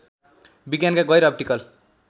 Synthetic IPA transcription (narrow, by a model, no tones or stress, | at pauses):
biɡjankaɡʌjɾʌp̚ʈikʌl